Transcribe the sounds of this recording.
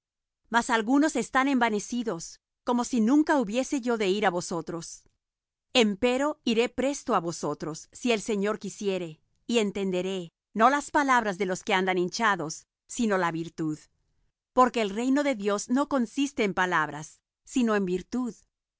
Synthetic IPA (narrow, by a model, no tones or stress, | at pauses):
masalɣuno̞se̞st̪ane̞mbane̞siðo̞s | ko̞mo̞sinũŋkauβje̞se̞ʝo̞ðe̞iɾaβo̞so̞t̪ɾo̞s | e̞mpe̞ɾo̞iɾe̞pɾe̞st̪o̞aβo̞so̞t̪ɾo̞sːie̞lse̞ɲo̞ɾkisje̞ɾe̞ | ie̞nt̪e̞nd̪e̞ɾe̞ | no̞laspalaβɾazðe̞lo̞ske̞and̪anint͡ʃaðo̞sː | ino̞laβiɾt̪uð | po̞ɾke̞ːlre̞jno̞ðe̞ðjo̞zno̞ko̞nsist̪e̞ːmpalaβɾasː | ino̞e̞mbiɾt̪uð